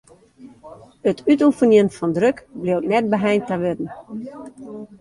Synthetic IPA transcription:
ətʰytufənjənfɔndrøkbliwtnɛt̚bəɦɛjntaʋødn̩

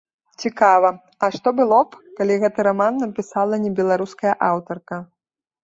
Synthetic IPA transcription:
t͡sʲikavɐ | ɐʂt̪ɔbɨlˠɔpkalʲiɣɛt̪ɨɾamanːɐpʲisalˠɐnʲɛbʲɛlˠaɾuskɐjɐʔawt̪ɐrkɐ

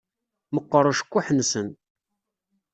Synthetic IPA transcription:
məqːəɾˤʃə̥kʷːuħənsən

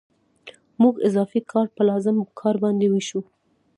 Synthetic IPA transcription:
muɡɪzɑfikʰɑɾpəlɑzɪmkʰɑɾbɑnd̪ewiʃu

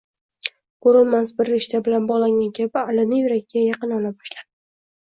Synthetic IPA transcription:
kʰoɾɪlmasbɪɾːeʃt̪abɪlanbɒʁlˠaŋʲankʲʰabɪalɪnɪjʊɾakʲɪɡʲajɑqɨnɒlabɒʃlad̪̥ɪ

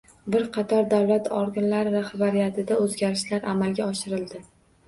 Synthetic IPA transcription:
bɪɾqʰɑt̪ʰɒɾd̪awlat̪ʰɒɾɡʲanlaɾɪɾaχbaɾijat̪ʰɪd̪aɵzɡʲaɾɪʃlaɾʔamalˠɡʲaɒʃɪɾɪld̪ɪ

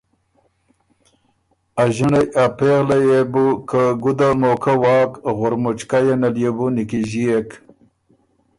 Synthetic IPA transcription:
aʒiɳajapeɣlajebukəɡud̪amokʰawɑːkɣʊɾmʊt͡ʃkajenaljebunikiʒiek

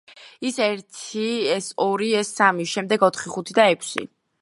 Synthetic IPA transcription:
isɛɾt̪ʰiɛsɔɾiɛsːamiʃɛmd̪ɛɡɔt̪ʰχiχut̪ʰid̪aɛkʷʰsḭ

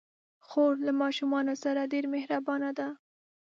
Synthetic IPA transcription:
xoɾlamɑʃumɑnosaɾaɖeɾmehɾabɑnad̪a

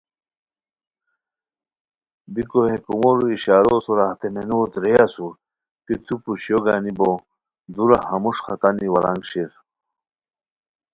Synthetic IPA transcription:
bikohekumoɾuiɕaːɾosoɾaht̪emenoːt̪ɾejasuɾ | kit̪ʰupuɕjoɡanibo | d̪uɾahɐmuʂxɐt̪aniwɐɾa̰ŋɡɕiɾ

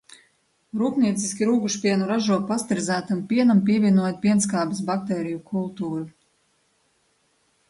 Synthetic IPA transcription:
ɾuːpniɛt̪siskʲiɾuːɡuʃpʲiɛnuɾaʒuɔpast̪iɾzæːt̪ampʲiɛnampʲiɛvʲiɛnuɔjt̪̚pʲiɛnskaːbis̬bak̚t̪ɛːɾijukʰulˠt̪uːɾu

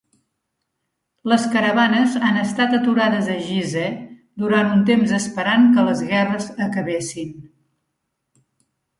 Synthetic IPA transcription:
ləskəɾəβanəzanəst̪at̪ət̪uɾaðəzəʒizɛ | d̪uɾant̪unt̪emzəspəɾaŋkələzɣɛrəzəkəβesin

